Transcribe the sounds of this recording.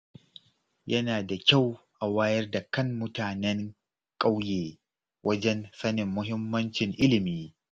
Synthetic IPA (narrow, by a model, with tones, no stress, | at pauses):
jɐ˦naː˨da˨kʲa˦˨w | ʔa˨waː˦jɐ˦rda˨kɐ˦ŋːʊ˦taː˨nɛ˦ŋ | kʼa˦wjeː˨ | wʔɐ˦d͡ʒɛ˦nsɐ˦nɪ˨mːʊ˦ɦɪ˦mːɐ˦nt͡ʃɪ˨ŋʔɪ˦lɪ˨miː˦